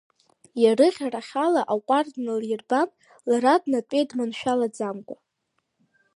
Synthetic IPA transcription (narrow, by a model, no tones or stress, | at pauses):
jarɨχʲaraχʲalaʔaqʷʼardnɨljɪrban | laɾadnatʼejdmanʃᶣalad͡zamkʷʼa